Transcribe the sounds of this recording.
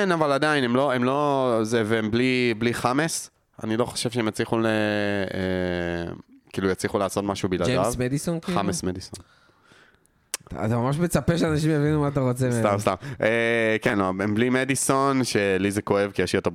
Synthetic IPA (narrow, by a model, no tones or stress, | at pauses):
kenavaladainemlo̞emlo̞zeveemblibliχames | a̰nilo̞χoʃevʃeemjat͡sliχulee | kiːlujat͡sliχulaːso̞t̪maʃubilad̪avmed̪isonkiamesmedisonn | a̰t̪amamaʃmet͡sapeʃeanaʃ̬imjavinumaat̪aʁot͡sestamst̪amʔekenloemblimediso̞nʃelizeko̞e̞vkijeʃliot̪ob